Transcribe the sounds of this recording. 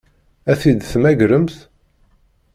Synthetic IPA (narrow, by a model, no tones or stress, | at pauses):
æθid̪θmæʝɾəmθ